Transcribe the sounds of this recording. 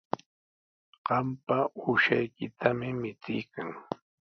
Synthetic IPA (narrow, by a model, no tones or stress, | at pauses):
ɢ̥ɑmpauʃajkɪt̪ʰamɪmɪt͡sɪjkaŋ